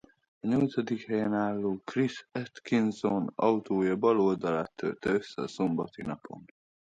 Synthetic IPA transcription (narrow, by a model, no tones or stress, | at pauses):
ɒɲo̞lt̪sɒd̪ikhɛjɛnaːlːoːkrisɛt̪kinzonɒut̪oːjɒbɒlo̞ld̪ɒlaːt̪ʰːø̰lt̪ɛøsːɛɒso̞mbɒt̪inɒpʰo̞̰n